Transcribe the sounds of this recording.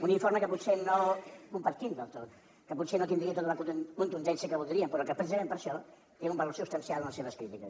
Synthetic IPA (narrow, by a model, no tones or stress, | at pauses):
uniɱfoɾməkəput̪senokumpɐɾt̪ind̪əlˠt̪ot̪ | kəputsenot̪ind̪ɾiət̪ot̪umɐkkunt̪und̪ɛnsiəkəβulˠd̪ɾiəmpəɾɔkəpɾəs̬izɐmempəɾʃɔ | t̪eumbəloɾsust̪ɐnsialˠɐnəseβəskɾit̪ikəs